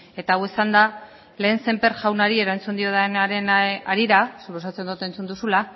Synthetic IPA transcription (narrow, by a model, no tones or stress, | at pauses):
e̞t̪aːwesand̪a | le̞ːnse̞mpe̞ɾʝawnaɾie̞ɾant͡sund̪io̞ðanaɾe̞na̰ɾiɾasupo̞s̬at͡se̞nd̪ot̪e̞nt͡sund̪usula